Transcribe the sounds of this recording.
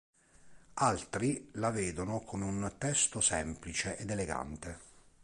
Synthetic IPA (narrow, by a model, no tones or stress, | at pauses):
alt̪ɾilaveːd̪onokʰomeunt̪ɛst̪osɛmplit͡ʃeʔɛd̪eleɡa̰nt̪e